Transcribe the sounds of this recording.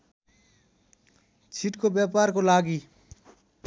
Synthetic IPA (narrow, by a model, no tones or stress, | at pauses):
t͡ʃʰiʈkobjaːpaːɾkolaːɡi